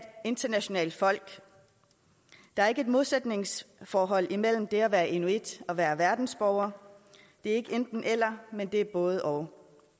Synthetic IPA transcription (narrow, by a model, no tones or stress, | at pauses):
d̥e̝nd̥ɐnæɕo̝nɛ̰ːld̥fɒ̽l̰ɡ̥ | d̥ɑ̈æɐe̝ɡ̥əe̝d̥mo̝ð̞ˠsed̥ne̝ŋsfɒːɦɒ̽l̰imel̰m̩d̥e̝æʋæːɐʔe̝nued̥ɒ̽ʋæːɐʋæɐd̥n̩sb̥ɒʊ̰ɐ | d̥e̝æɐe̝ɡ̥əend̥n̩ʔel̰ɐmend̥e̝æɐb̥ɔ̽ːð̞̩ˠʔɒʊ